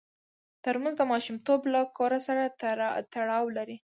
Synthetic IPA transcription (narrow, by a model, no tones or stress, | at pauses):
t̪əɾmanzd̪əmɑʃumt̪oblakoɾasaɾat̪aɽɑwlaɾi